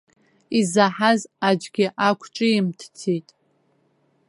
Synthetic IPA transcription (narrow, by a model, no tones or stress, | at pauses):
izaħazad͡ʒɡʲɪʔakʷʰʈ͡ʂʼɪimtʰt͡sʰitʼ